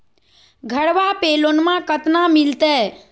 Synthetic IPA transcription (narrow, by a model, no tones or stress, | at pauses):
ɡʱəɽʋapeːloːnmãkət̪namɪlt̪eː